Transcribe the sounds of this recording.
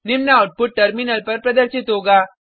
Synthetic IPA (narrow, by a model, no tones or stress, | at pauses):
nɪmnaaːʊʈ̚pʊʈ̚ːɐɾmɪnəlpɐɾpɾɐd̪əɾʃɪt̪ɦoːɡaː